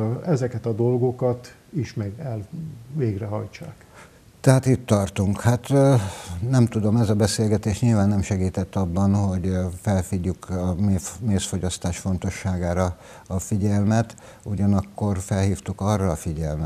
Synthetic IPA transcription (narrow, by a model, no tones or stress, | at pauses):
ɛzɛkɛt̪ɒd̪olɡo̞kɒt̪ | iʃmɛɡɛlveːɡrɛɦɒjt͡ʃːaːk | t̪ɛɦaːt̪it̪ːɒrt̪uŋkhat̪ | nɛmt̪ud̪o̞mɛzɒbɛseːlɡɛt̪eːʃɲilvaːnːɛmʃɛɡiːt̪ɛt̪ːɒbːɒnho̞ɟfɛlfiɟːykɒmemeːsfo̞ɟɒst̪aːʃfo̞nt̪o̞ʃːaːɡaːɾɒ | ɒfiɟɛlmɛt̪ | uɟɒnɒkːo̞rfɛlhiːft̪ukɒrːɒːfiɟɛlmɛ